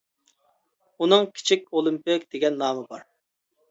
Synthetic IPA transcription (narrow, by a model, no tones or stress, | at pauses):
unɨŋkʲʰi̥t͡ʃʰikʲolˠimpɪkʲd̪̥eɡʲɛnːɑːmɨbɑɾ